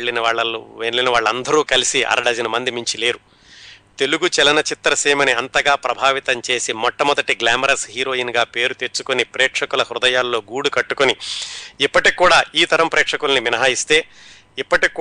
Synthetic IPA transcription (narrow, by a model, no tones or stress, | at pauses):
ɭːinɐʋaːɭːɐluelinɐʋaːɭːɐnd̪ɐɾuːkɐlisiʔɐ̰ɾɐɽɐd͡ʒɐnɐmɐnd̪imiɲt͡ʃile̞ːɾu | t̪e̞luɡut͡ʃɛlɐnɐt͡ʃit̪ːɾɐseːmɐniɐnt̪ɐɡaːpɾɐbʱaːʋit̪ɐmt͡ʃe̞ːsimɔʈːɐmɔd̪ɐʈiɡlaːmɐɾɐsɦiːɾo̞ːinɡaːpe̞ːɾut̪eɾt͡ʃːu̥konipɾɛːkʂɐkulɐhɾʊd̪ɐjaːlːo̞ːɡuːɽukɐʈːukoniipːɐʈikːuːɽaːiːt̪ɐɾɐmpɾɛːkʂɐkulɐniʋinɐɦaːjist̪e̞ː | ipːɐʈikː